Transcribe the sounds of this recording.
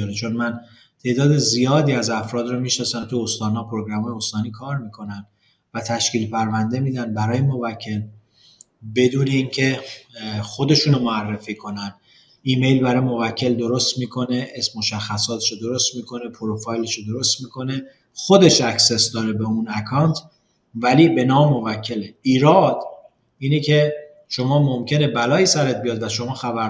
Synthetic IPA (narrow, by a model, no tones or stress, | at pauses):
ɾet͡ʃʰo̞nmæn | t̪ʰe̞ːd̪ɒːd̪e̞zijɒːd̪iːæzæfɾɒːd̪rɒmiːʃnɒːsæmt̪ʰuost̪ɒːnhɒːpʰoɾoɡɾæmɒːjeost̪ɒːniːkʰɒːɾmikʰo̞næn | væt̪ʰæʃkiːlpæɾvænd̪e̞miːd̪ænbæɾɒːjemo̞væcʰːe̞l | be̞d̪uːne̞iːncʰe̞ | xo̞d̪e̞ʃuːnmoærːefiːkʰo̞næn | iːme̞jlbæɾɒːjemo̞væcʰːe̞ld̪o̞ɾost̪miːkʰo̞ne̞ʔesmoʃæxːæsɒːt̪ʰe̥ʃod̪o̞ɾo̞st̪miːkʰo̞nepʰoɾofɒjleʃod̪o̞ɾost̪miːkʰo̞ne̞ | xo̞d̪e̞ʃækse̞sd̪ɒːɾe̞beunækʰɒwnt̪ʰ | væliːbe̞nɒːmmːo̞væcʰːe̞leiːɾɒːd̪ | iːnecʰe̞ | ʃo̞mɒːmomcʰe̞ne̞bælɒːiːsæɾet̪̚bijɒːd̪væʃo̞mɒːxæbæɾ